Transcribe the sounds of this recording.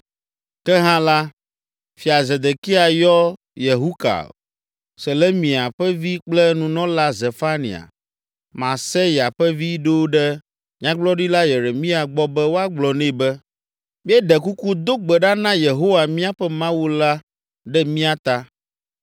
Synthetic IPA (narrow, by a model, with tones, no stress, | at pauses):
kɛ˦ɦã˦la˦ | fi˨a˨ze˨d̪e˨ki˦a˨jɔ˦ | je˨ɦu˦ka̰˨ | sɛ˨lɛ˦mĩ˨a˨ɸɛ˦vi˦k͡plɛ˦nũ˨nɔ̃˦la˦ze˨fa˦nḭ˨a̰˨ | mã˨sɛ˦ja˨ɸɛ˦vi˦ɖo˦ɖɛ˦ | ɲ̃˦ã˦ɡ͡blɔ˦ɖi˦la˦je˨ɾe˨mĩ˦a˨ɡ͡bɔ˦bɛ˦wo˦a˦ɡ͡blɔ˨nẽ˦˨bɛ˦ | mĩ˦ɛ˦ɖɛ˨ku˦ku˦d̪o˦ɡ͡bɛ˨ɖa˦nã˦je˨ɦo˦wa˨mĩ˦a˦ɸɛ˦mã˦wu˦la˦ | ɖɛ˦mĩ˦a˨t̪a˦